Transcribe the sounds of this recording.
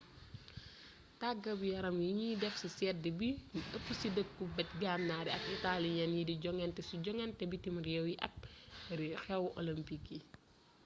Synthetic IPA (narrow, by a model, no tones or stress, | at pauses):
taɡːɐbijɐɾɐmjiɲidɛfsisɛt̚dibiʔəpːusidəkːubɐt̚ɡamnaɾiɐk̚italiɲɐnjidiɟɔŋɛntɛsuɟɔŋɛntɛbitimɐɾjɛwjiʔɐ̰k̚ɾixɛwʔɔ̰lɐmpikːi